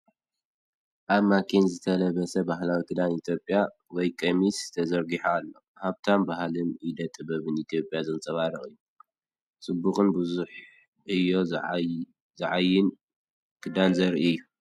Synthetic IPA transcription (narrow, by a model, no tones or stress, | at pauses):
ʔaβmakʰinzɨt̪ʰɐlɐβɐsɐbaɦlawikʰɨd̪anit̪ʰjo̞pʼja | wɔjkʼemisz̥ɨt̪ʰɐzɐɾɡiħaːlːo̞ | haβt̪ʰambahlɨnʔid̪ɐt̪ʼːɨbɐβɨnit̪ʰijo̞pʼjazɨt͡sʼɐβaɾɐχʼɨjːu | sʼɨbːukʼɨnbɨzuħ | ʔɨjːo̞ | zɨʕajɪn | kʰɨd̪anzɐɾiɨjːu